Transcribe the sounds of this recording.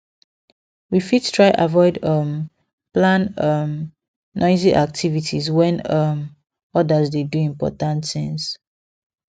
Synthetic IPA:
wifid̥tʰɹaɪʔa̰vɔɪdʌm | plãnʌmː | ʔɔɪziʔak̚tʰivitʰizwɛ̃nʌm | ɔdəzdeduĩmpɔ̰tãntθĩŋs

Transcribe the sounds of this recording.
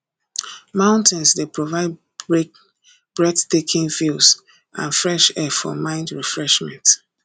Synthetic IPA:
mãʊ̃ntʰɛ̃nsdepʰɹovaɪd | b̥ɹɛdtekʰĩnfils | ʔãnfɹɛʃɛfɔ̰mãɪ̃ndɹifɹɛʃmɛ̰̃nt

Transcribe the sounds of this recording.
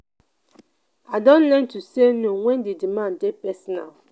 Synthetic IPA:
aɪdɔ̃nlɛntusenowɛ̃ndedimãndepɛsɔna̰l

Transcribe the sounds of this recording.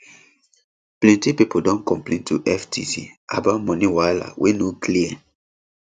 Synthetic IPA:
plɛ̃ntipipodɔ̃nkɔ̃mplẽntʰuʔɛftisḭa̰batmɔ̃niwala̰wʔenokliɛ

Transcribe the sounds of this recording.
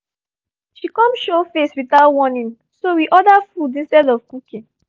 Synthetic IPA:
ʃikɔ̃mʃofeswiθaʊtwɔnĩŋ | sowiʔɔdafudĩnstɛdɔfkukĩn

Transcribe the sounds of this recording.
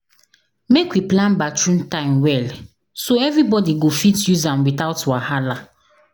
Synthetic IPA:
mekwiplãnbat͡ʃɹũntãɪ̃mwɛl | soɛvɾibɔdiɡofitjuzãmwitaʊtwahala

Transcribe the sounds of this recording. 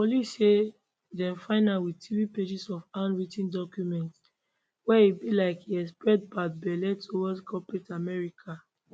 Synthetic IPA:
pɔlise | dɛ̃mfãɪnalwitʰiviped͡ʒisɔfãnɹitĩndɔkjumɛ̃nt | wɛibilaɪkiɛspɹɛt̚bat̚bɛlɛtowɔdkʰɔpɹetamɛɹikʰa

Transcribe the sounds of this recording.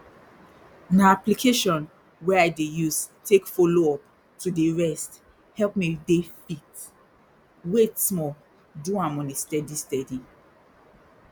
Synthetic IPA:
naaplikʰeʃɔ̃n | wɛaɪdejuztekfoloɔp | tʰudeɹɛst | hɛlpmidefit | wetsmɔ | duãmɔ̃nestɛdistɛdi

